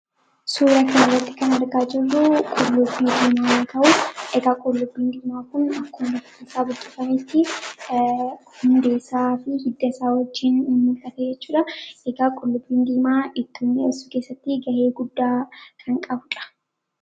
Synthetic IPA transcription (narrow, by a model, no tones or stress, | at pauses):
suːɾɐkɐnɐrːɐt̪ːɪ̥kɐnɐɾɡaːd͡ʒɛlːuːkʼɔlːʊbːiːd̪iːmaːt̪ɐʔʊʔɛɡaːkʼɔlːʊbːiːnd̪iːmaːkʊnɐkːɔːnɐfɐ̥t̪ːɪsaːbʊk̪ʼːɪfɐmɛt̪ːɪ | hʊnd̪e̞ːsaːfɪhɪd̪ːɐɪsaːwɐd͡ʒːɪnʊmːɪlk̪ɐt̪ed͡ʒɛt͡ʃːuːᶑɐɛɡaːkʼɔlːʊbːiːnd̪iːmaːʔɪt̪ːuːnːeɪsukeːsːɐt̪ːɪɡɐʔeːɡʊd̪ːaːkʰɐŋkʼɐbʊᶑɐ̥